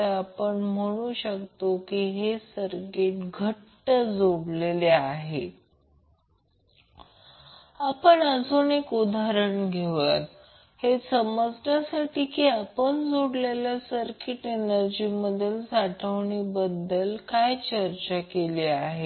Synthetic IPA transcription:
əapəɳm̤əɽ̃uːɕəkt̪okiɦesəɾkeʈɡʱəʈːəd͡zoɽleleaɦe | apəɳəd͡zonekud̪ʱaɾəɳɡʱeʋət̪ | hesəməd͡znjasaʈiːkiːapəɳd͡zoɽleljasəɾkeʈenəɾd͡ʑiːməd̪ʱːjelsaʈʰəʋɳiːbəd̪ːəlkajt͡ɕəɾt͡ɕakeleaɦe

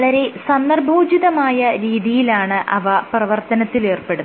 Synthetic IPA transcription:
ɭɐɾe̞ssɐnd̪ɐrbʱoːd͡ʑiðɐmaːjɐɾiːðijilaːɳɨʔɐ̰ʋɐprɐʋɐrt̪ɐnɐt̪ːile̞ːrpe̞ɽu

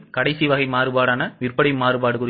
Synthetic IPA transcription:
kɐɽɐɪsiʋɐɣɐɪmaːɾɯbaːɽaːnɐʋɪrpɐɽɐɪmaːɾɯbaːɽɯkʊɾ

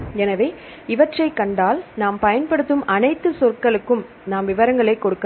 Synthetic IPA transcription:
ɛnɐʋeː | ɪʋɐʈrɐɪkːɐɳɖaːlnaːmpɐjɐnpɐɽɯt̪ːɯmɐnɐɪt̪ːɯsɔrkɐɭɯkːɯm | naːmʋɪʋɐɾɐŋɡɐɭɐɪkːɔɽɯkːɐ

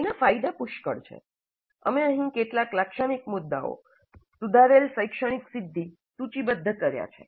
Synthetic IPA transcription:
nafajd̪apʊʃkəɽt͡ʃʰḛ | ə̰meəɦĩkeʈlaklakʃəɽ̃ikmʊd̪ːa̰o̰ | sud̪ʱaɾelsəjkʃəɽ̃iksɪd̪ʱːi | sut͡ʃibəd̪ʱːəkəɾja̰t͡ʃʰḛ

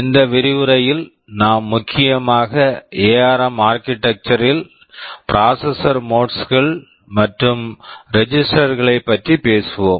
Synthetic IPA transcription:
ɪnd̪ɐʋɪɾɪʋɯɾɐjɪl | naːmːʊkʰːɪjɐmaːɣɐʔeːaːɾɐmaːɾkɪʈːɐk̚t͡ʃɐɾɪl | pɪɾaːsɐsɐɾmoːʈsɣɐɭ | mɐʈrɯmɾɛd͡ʒɪsʈɐɾɣɐɭɐɪpːɐʈripeːsɯʋoːm

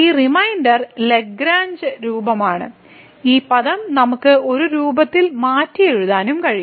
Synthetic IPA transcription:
iːrimɐjndɐrle̞ɡɾaːɲd͡ʑɨɾuːbɐmaːɳɨ̰ | iːpɐðɐmnɐmukːɨo̞ɾuɾuːbɐt̪ːilmaːtːijeɻuðaːnumkɐɻij

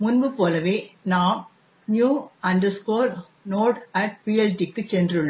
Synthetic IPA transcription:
mʊnbɯpoːlɐʋeːnaːm | njuːɐnd̪ɐskoːɾ | noːʈɐʈ̚piːɛlʈikːɯt͡ʃɛndrɯɭːɐ

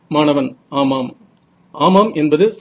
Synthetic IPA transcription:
maːnɐʋɐnaːmaːm | ʔaːmaːmɛnbɐðɯs

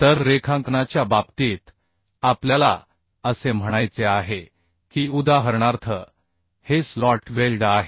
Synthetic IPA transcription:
t̪əɾːekʰãŋknat͡ɕjababt̪iːt̪ | apljala | əsem̤əɽ̃ajt͡seaɦe | kiːud̪aɦəɾɳaɾt̪ʰə | heslɔʈʋelɖaɦe

